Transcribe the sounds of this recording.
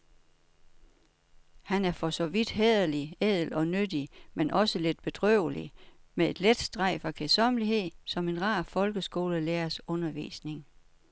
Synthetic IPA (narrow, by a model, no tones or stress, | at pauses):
hænæɐfɒ̽sɒ̽ʋid̥ɦeð̰ˠɐliɛð̰ˠl̩ɒ̽nød̥imenʔɒ̽səle̝d̥̚b̥e̝d̥ʁœʊ̰əlḭmee̝d̥led̥sd̥ʁɑ̈ɪ̰fɑ̈kʰesɒ̽mliɦe̝ð̰ˠsɒ̽me̝nʁɑ̈ːfɒ̽lɡ̥əsɡ̥o̝ːləleːɐsɔ̽nɐʋḭːsne̝ŋ